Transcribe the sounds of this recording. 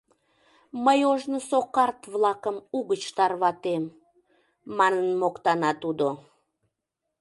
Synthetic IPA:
məjoʒnosokɑrt̪βlɑkəmuɣət͡ɕt̪ɑrβɑt̪emː | ɑnənmokt̪ɑnɑt̪ud̪o

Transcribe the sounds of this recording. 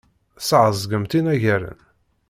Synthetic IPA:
sʕəzˤɡəmt̪inæʝæɾə̰n

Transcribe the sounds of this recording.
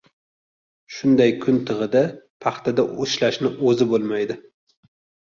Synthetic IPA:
ʃʊnd̪ajkʰʊnt̪ʰɨʁɨd̪apʰɑχt̪ʰad̪aʊʃlaʃnɪʔɵzɪbolˠmajd̪ɪ

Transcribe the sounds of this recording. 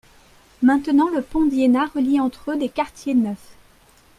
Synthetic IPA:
mɛ̃t̪ənɑ̃ləpɔ̃d̪jenaʁəliɑ̃t̪χød̪ekaʁt̪jenœf

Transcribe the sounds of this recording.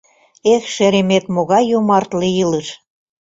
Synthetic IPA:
exʃeɾemet̪moɣɑjːumɑrt̪lijələʃ

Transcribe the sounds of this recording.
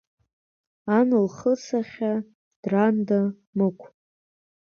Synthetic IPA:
anɨlχət͡sʰaχʲa | d̥randa | mɨkʷʰ

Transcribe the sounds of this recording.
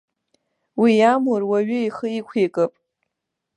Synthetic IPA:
wijamʊrwaɥʏiχəikʷʰekʼɨpʼ

